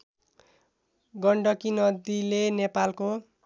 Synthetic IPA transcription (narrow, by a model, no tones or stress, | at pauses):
ɡʌɳɖʌkinʌd̪ilenepalko